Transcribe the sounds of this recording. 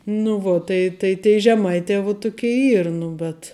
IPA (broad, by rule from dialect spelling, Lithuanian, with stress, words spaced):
nʊ ˈʋoː ˈtɐɪ tɐɪ tʲɛɪ ʒʲɛˈmɐɪtʲɛː ʋʊ ˈtʊkʲɛɪ ˈiːr ˈnʊ bʲɛt